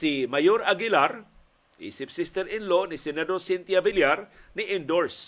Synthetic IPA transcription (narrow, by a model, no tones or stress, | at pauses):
sɪmajoɾaɡɪlaɾ | ʔḭːsɪpsɪst̪ɛɾɪnlonɪsɛnɛd̪osɪnt̪javɪljaɾnɪʔɪnd̪oɹs